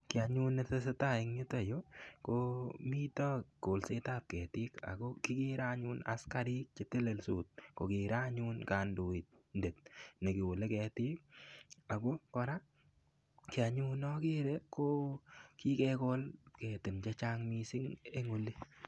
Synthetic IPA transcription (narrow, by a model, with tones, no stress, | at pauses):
kɪ˨a˨ɲu˦ne˦tɛ˦s̬e˦ta˦˨ɪ˦ŋɲɪ˦ta˨jo˦komi˦tɔ˦ko˨lse˦ta˦p̚kɛ˨tɪ˦ka̰˨ko˦kɪ˦kɪ˦ɾa˦ɲu˦na̰˨ska˦ɾɪ˦k̚t͡ʃɪ˦tɪ˦lɛ˨lsu˨t̚ko˨kɪ˨ɾa˦ɲu˦nka˨ndo˨ɪ˨t̚ | nde˨tne˨kɪ˨wo˨le˦kɛ˧tɪ˦k̚a˨ɡo˦kɔ˦ɾa˦ | kɪ˨a˨ɲu˦nɔ˦kɪ˦ɾɛ˦ko˦ki˦kɛ˦ko˦lkɛ˨tɪ˨nt͡ʃɛ˦t͡ʃa˦ŋmi˧sɪ˦ŋe˦ŋʊ˦li˦